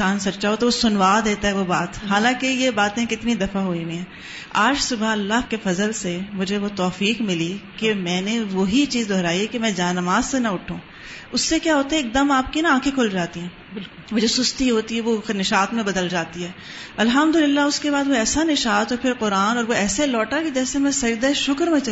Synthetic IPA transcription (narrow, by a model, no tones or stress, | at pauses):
saːnsɐʃaɦot̪oʋosʊnʋaːd̪eːt̪aɦɛʋobaːt̪ɦaːlãːkejebaːt̪ẽkɪt̪nid̪ɐfaɦoĩwẽɦɛ̃ː | aːd͡ʒsʊbaɐlːakefɐzəlsemʊd͡ʒʱeʋot̪ɔːfiːqmɪlikemɛ̃ːneʋoɦit͡ʃiːzd̪ʱɔːɾaːiɦɛkemɛ̃ːd͡ʒaːnɐmaːzsenɐʊʈʰːũː | ʊsːekjaːɦoːt̪aɦɛeːk̚d̪ɐmaːp̚kinaãːkʰẽkʰʊld͡ʒaːt̪iɦɛ̃ː | ɪl | mʊd͡ʒʱesʊst̪iɦoːt̪iɦɛʋonɪʃaːt̪mẽbɐd̪əld͡ʒaːt̪iɦɛː | ɐlɦɐmd̪ʊlɪlːaʊskebaːd̪ʋoɛːsanɪʃaːt̪ɔːɾpʰɪɾqʊɾaːnɔːɾʋoɛːselɔːʈaked͡ʒɛːsemɛ̃sɐd͡ʒd̪aeʃʊkəɾmẽt͡ʃ